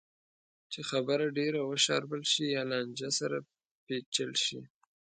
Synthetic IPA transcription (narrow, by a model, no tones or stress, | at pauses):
t͡ʃexabəɾaɖeɾawəʃɑ̰ɾbəlʃijɑlɑnd͡ʒasaɾa | pet͡ʃəlʃḭ